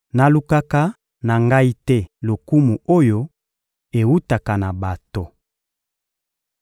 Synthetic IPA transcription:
na˨lu˦ka˦ka˦ | na˨ŋɡa˦i˦tɛ˦lo˨ku˦mu˨o˦jo˦ | e˨wu˦ta˨ka˨na˨ba˨to˨

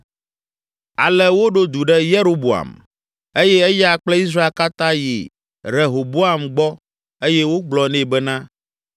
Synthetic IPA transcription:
a˨lɛ˦wo˦ɖo˦d̪u˨ɖɛ˦je˦ɾo˦bo˨a̰˨m | e˦jɛ˦e˦ja˨k͡plɛ˦i˦s̬ɾa˦e˨lka˦t̪ã˦jḭ˨ | ɾe˨ɦo˨bo˦a˨mɡ͡bɔ˦ | e˦jɛ˦wo˦ɡ͡blɔ˨nɛ̃˦bɛ˦nã˦

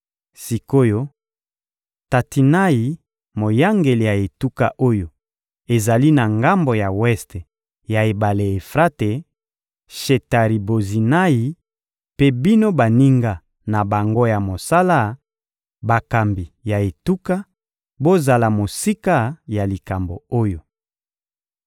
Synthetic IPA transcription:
si˨ko˦jo˦ | ta˨ti˨na˦ji˨ | mo˨ja˦ŋɡe˨li˨ja˨e˨tu˦ka̰˦ʔo˦jo˨ | e˨za˨li˦na˨ŋɡa˦mbo˨ja˨wɛ˦ste˨ | ja˨e˨ba˨le˨e˨fʁa˦te˨ | ʃe˨ta˨ʁi˨bo˨zi˨na˦ji˨ | pe˦bi˦no˦ba˨ni˦ŋɡa˦ | na˨ba˨ŋɡo˦ja˨mo˨sa˦la˦ | ba˨ka˨mbi˨ja˨e˨tu˦ka˦ | bo˦za˨la˨mo˨si˦ka˦ja˨li˨ka˨mbo˨o˦jo˨

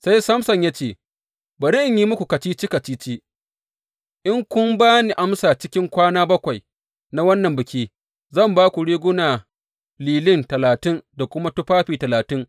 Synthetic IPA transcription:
sa˦jsɐ˦msɐ˨ɲja˦t͡ʃeː˦˨ | bɐ˨ɾɪ˦ʔɪ˨ɲjiː˦mʊ˦kʷu˨ka˨t͡ʃiː˦t͡ʃi˦ka˨t͡ʃiː˦t͡ʃiː˦ | ʔɪ˦ŋkʷʊ˦mbaː˦ni˨ʔa˦msaː˨t͡ʃɪ˦kʲɪ˦ŋkʷaː˦naː˦bɐ˦kʷa˨j | na˦wɐ˦nːɐ˨mbɪ˨kʲiː˦ | zɐ˦˨mbaː˦kʷu˨ɽeː˦ɡʷʊ˦naː˨ | liː˨lɪ˦ntɐ˨laː˨tɪ˦nda˨kʷʊ˦ma˦tʊ˦ɸaː˦ɸiː˨tɐ˨laː˨tɪ˦ŋ

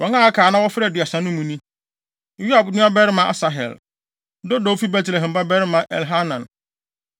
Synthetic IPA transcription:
wɔ̃˨˦ŋã˦a˦kʰaː˨˦nã˦wɔ˦fɪ˦ɾɛ˨dɪ˨a˨sã˨nʊ̃˦mũ˦nĩ˦˨ | ju˦a˨bnʊ̃˦a˦bɛ˦ɾɪ˦mã˨˦ʔa̰˨sa˨ɦɛ̰˨l | do˦do˨˦fi˦bɛ˦tlɛ˨ɦɛ̃˨mba˦bɛ˦ɾɪ˦mã˨ʔɛ̰˨lɦa˦nã˨n

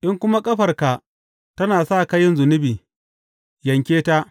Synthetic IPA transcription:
ʔɪ˦ŋkʷʊ˦ma˦kʼɐ˦ɸɐ˨rka˨ | tɐ˦naː˨sa˦˨kɐ˦jɪ˦nzʊ˨nɪ˦biː˨ | jɐ˨ŋkʲeː˦ta˦ʔ

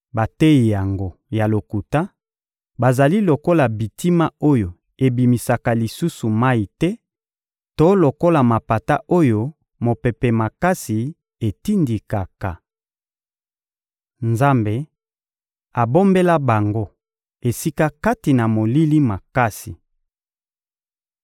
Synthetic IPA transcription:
ba˨te˦i˨ja˨ŋɡo˦ja˨lo˨ku˨ta˦ | ba˨za˨li˦lo˨ko˦la˨bi˨tʰi˦ma˦o˦jo˨ | e˨bi˨mi˨sa˨ka˨li˨su˦su˨ma˦i˨tɛ˦ | to˦lo˨ko˦la˨ma˨pa˨ta˦ʔo˦jo˦ | mo˨pɛ˨pɛ˨ma˨ka˦si˨ | e˨ti˦ndi˨ka˨ka˨ | nza˦mbe˨ | a˨bo˦mbe˦la˦ba˨ŋɡo˦ | e˨si˦ka˦ka˦ti˨na˨mo˨li˦li˦ma˨ka˦si˨

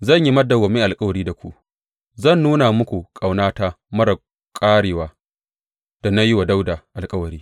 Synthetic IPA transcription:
zɐ˦˨ɲji˦mɐ˦da˨ɡɔ˨mɪ˦ʔa˨lkʼɐ˦wɐ˨ɾiː˦da˨kʷu˦ʔ | zɐ˦˨nːuː˦na˨mʊ˦kʷu˨kʼa˨wnaː˦ta˦ | mɐ˦ɾɐ˨ | kʼaː˦ɽeː˨waː˦ | d̥a˨na˦jɪ˦wa˨da˦wda˨ʔa˨lkʼɐ˦wɐ˨ɾiː˦

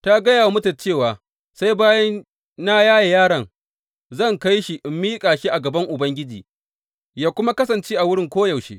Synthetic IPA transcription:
ta˦ɡɐ˦jaː˨wa˦mʊ˦tɐ˨t͡ʃeː˦˨waː˨ | sa˦jbaː˦jɐ˦nː | a˦jaː˦ja˨jaː˦ɽɐ˨ŋ | zɐ˦˨ŋka˦jʃi˨ʔɪ˨mːiː˦kʼaː˨ʃi˦ʔa˨ɡɐ˨bɐ˦ŋʔʊ˨bɐ˦ŋɡʲɪ˦d͡ʒiː˨ | jaː˦kʷʊ˦ma˦kɐ˦sɐ˨nt͡ʃeː˦ʔa˨wʊ˦ɽɪ˦ŋkʷoː˦jɐ˨wʃḛː˦

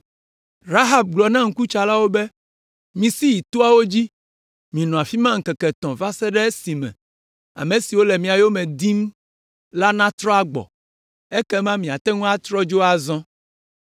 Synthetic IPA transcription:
ɾa˦ɦa˨b̚ɡ͡blɔ˨nã˦ŋ̩˦ku˦t͡ʃa˨la˦wo˦bɛ˦ | mĩ˨si˦ji˨t̪o˦a˦wo˦d͡ʑi˦ | mĩ˨nɔ̃˨a˨fi˦mã˦ŋ̩˨kɛ˨kɛ˨t̪ɔ̃˨va˦sɛ˦ɖɛ˦e˦si˨mɛ̰̃˨ | a̰˨mẽ˨si˨wo˦lɛ˨mĩ˨a˨jo˦mɛ̃˨d̪i˦m˦ | la˦nã˦t̪ɾɔ˦a˦ɡ͡bɔ̰˨ | ɛ˦kɛ˦mã˦mĩ˨a˨t̪ɛ˦ŋũ˦a˦t̪ɾɔ˦d͡ʒo˦a˦˨zɔ̃˦

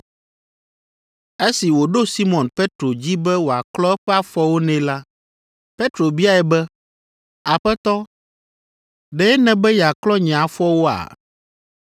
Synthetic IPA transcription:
e˦si˨wo˨ɖo˦si˦mɔ̃˨npe˦t̪ɾo˨d͡ʑi˦bɛ˦wo˨a̰˨klɔ˦ɛ˦ɸɛ˦a˦fɔ˦wo˦nɛ̃˨˦la˦ | pe˦t̪ɾo˨bi˦a˦ɛ˨bɛ˦ | a˨ɸɛ˦t̪ɔ˦ | ɖɛ˨˦ɛ˦nɛ̃˨bɛ˦jɛ˨a˨klɔ˦ɲɛ̃˨a˨fɔ˦wo˦a̰˨

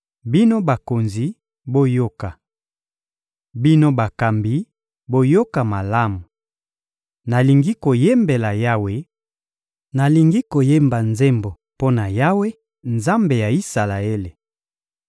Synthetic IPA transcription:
bi˦no˦ba˨ko˨nzi˨ | bo˦jo˦ka˨ | bi˦no˦ba˨ka˨mbi˨˦ | bo˦jo˦ka˨ma˨la˦mu˨ | na˨li˨ŋɡi˦ko˨je˦mbe˨la˨ja˦we˨ | na˨li˨ŋɡi˦ko˨je˦mba˨nze˦mbo˨ | po˦na˨ja˦we˦ | nza˦mbe˨ja˨i˦sa˨la˨e˦le˨

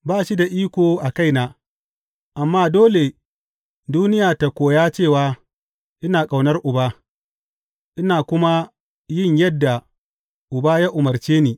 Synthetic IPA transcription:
baː˦˨ʃi˦da˨ʔiː˦kʷoː˨ʔa˨ka˦jnaː˨ | ʔa˨mːaː˦doː˦le˨ | duː˦nɪ˦jaː˨ta˨kʷoː˨jaː˦t͡ʃeː˦˨waː˦ | ʔɪ˦naː˨kʼa˨wnɐ˦rʔʊ˨baː˦ | ʔɪ˦naː˨kʷʊ˦ma˦ | jɪ˦˨ɲjɐ˦dːa˨ | ʔʊ˨baː˦ja˦ʔʊ˨mɐ˨rt͡ʃeː˦neː˨

